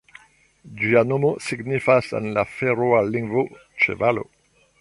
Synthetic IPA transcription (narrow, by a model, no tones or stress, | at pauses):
d͡ʒianomosiɡnifasḛnlafeɾoalːiŋɡvo | t͡ʃḛvalo̰